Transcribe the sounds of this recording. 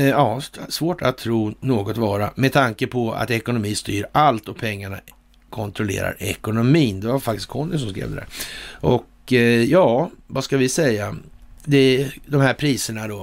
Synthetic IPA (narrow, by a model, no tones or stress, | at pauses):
ɑːsvoːʈʰat̪ʰːɾuːnoːɡɔt̪vɑːɾamɛd̪̚t̪ʰaŋkəpʰɔa̰t̪ɛkʊnʊmiːst̪yːɾalt̪ɔpʰɛŋːaɳa̰ | kʰɔnt̪ʰɾʊlḛːɾa̰ɾɛ̰kʊnʊmiːnd̪ɛvaɾfak̚t̪ɪskʰɔnːəs̬ɔmskɾḛːvd̪ɛd̪æ̰ːɾʔɔk | jɑːvaskavɪsɛjːad̪ɛd̪ɔmhæɾpʰɾiːsəɳad̪o